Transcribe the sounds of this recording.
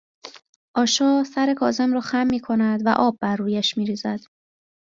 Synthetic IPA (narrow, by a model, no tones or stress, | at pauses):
ʔɒːʃɒːsæɾe̞kʰɒːze̞mɾɒːxæmːiːkʰo̞næd̪væ̰ʔɒːb̚ːærːuːjæʃmiːɾiːzæd̪̥